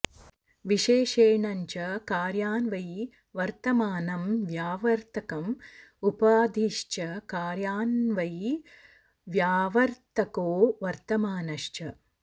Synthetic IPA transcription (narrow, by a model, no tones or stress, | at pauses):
ʋiʃeːʃeːɳɐɲt͡ʃɐkaːɾjaːnʋɐj | ʋɐɾt̪ɐmaːnɐmʋjaːʋɐɾt̪ʰɐkɐmupaːd̪ʱiʃt͡ʃɐkaːɾjaːnʋɐj | ʋjaːʋɐɾt̪ɐkoːʋɐɾt̪ɐmaːnɐʃt͡ʃɐ